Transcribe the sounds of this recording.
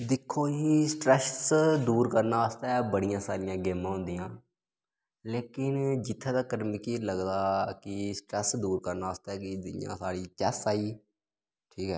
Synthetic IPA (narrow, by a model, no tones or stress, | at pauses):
d̪ɪkʰːoːiːsʈɾɛsd̪uːɾkəɾnaːaːst̪aːɛːbəɽɪjãːsaːɾɪjãːɡeːmãːɦʊ̃nd̪ijãː | leːkɪnd͡ʒɪt̪ʰːeːd̪aːkəɾmɪkiːləɡd̪aːkɪsʈɾɛːsd̪uːɾkəɾnaːaːst̪aːɛːkɪd̪ɪjã̰ːsaːɽiːt͡ʃɛsaːiː | ʈʰiːkɦɛ̰ː